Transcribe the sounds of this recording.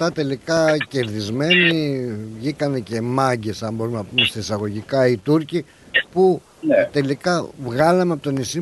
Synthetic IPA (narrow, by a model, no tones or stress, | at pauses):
t̪ɐt̪e̞likɐce̞ɾðizme̞niivʝikɐne̞ce̞mɐɲɟe̞sɐmbo̞ɾumenɐpumest̪ɐisɐɣo̞ʝikɐit̪uɾci | pu | t̪e̞likɐvɣɐlɐmeɐpot̪onisi